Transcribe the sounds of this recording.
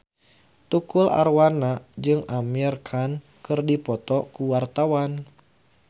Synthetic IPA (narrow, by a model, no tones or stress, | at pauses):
t̪ukula̰rwanad͡ʒɨŋamirkʰan | kɨrdipɔt̪ɔkuwart̪awan